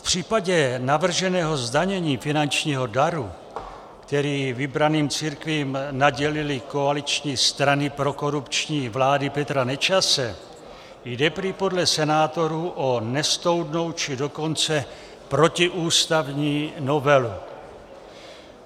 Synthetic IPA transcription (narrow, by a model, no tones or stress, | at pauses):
fpr̝̥iːpaɟɛnavr̩ʒɛnɛːɦo̞zdaɲɛɲiːfɪnant͡ʃɲiːɦo̞daɾu | kt̪ɛɾiːvɪbɾaniːmt͡siɾkviːmnaɟɛlɪlɪkoalɪt͡ʃɲiːst̪ɾanɪpɾo̞ko̞ɾupt͡ʃɲiːvlaːdɪpɛt̪ɾanɛt͡ʃasɛ | jdɛpɾipo̞dlɛsɛnaːt̪o̞ɾuʔonɛst̪o̞wdno̞wt͡ʃɪdo̞ko̞nt͡sɛ | pɾo̞cɪʔuːst̪avɲiːno̞vɛlu